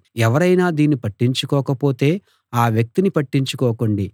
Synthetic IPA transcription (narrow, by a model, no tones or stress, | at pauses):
ɛʋɐɾɐjnaːd̪iːnːipɐʈːiɲt͡ʃukɔːkɐpoːt̪e̞ː | aːʋjɐk̚t̪inipɐʈːiɲt͡ʃukɔːkoɳɖi